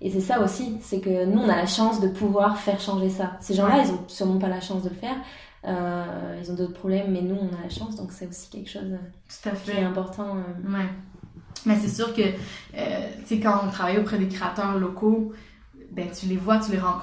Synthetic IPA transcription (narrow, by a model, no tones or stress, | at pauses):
esɛsaosisɛkənuɔ̃nalaʃɑ̃sd̪əpʰuvwaʁfɛʁʃɑ̃ʒesaseʒɑ̃lailzɔ̃syʁmɑ̃palaʃɑ̃sd̪ələfɛːʁ | øilzɔ̃d̪ot̪χəpχɔblɛmːɛnuɔ̃nalaʃɑ̃sd̪ɔ̃ksɛosi̥kʲɛ̰lkʃo̰ːzøt̪u̥t̪afɛ̃pɔʁt̪ɑ̃øwɛ | mɛsɛsyːʁkəø̰t̪sekɑ̃ɔ̃t̪χavajopχɛd̪ekχeat̪œʁlɔko | bɛ̃t̪ylevwat̪yleʁɑ̃k